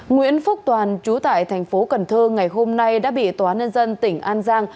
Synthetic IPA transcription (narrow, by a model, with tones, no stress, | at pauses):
ŋwḭ˧˥ənfʊ˦˥k͡p̚t̪waː˨˩nt͡ɕu˨˦t̪a̰ː˧˨jt̪ʰɛ˨˩ŋ̟fo˨˦kə˨˩nt̪ʰɨː˧ŋa˨˩jɦo˧mna˧jɗa̰ː˧˥ɓḭ˧˨t̪waː˨˦ɲə˧nzə˧nt̪ï˧˩ŋ̟ʔaː˧nzaː˧ŋ